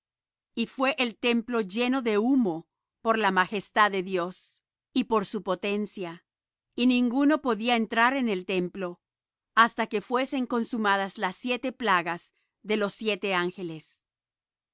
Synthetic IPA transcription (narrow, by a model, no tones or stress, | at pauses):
ifwe̞ʔelt̪e̞mplo̞ʝe̞no̞ðe̞umo̞ | po̞ɾlamaxe̞st̪aðeðjo̞s | ipo̞ɾsupo̞t̪e̞nsja | inĩŋɡuno̞po̞ðiaent̪ɾaɾe̞ne̞lt̪e̞mplo̞ | ast̪ake̞fwe̞se̞ŋko̞nsumaðazlasːje̞t̪e̞plaɣaz | ðe̞lo̞sːje̞t̪e̞aŋxe̞les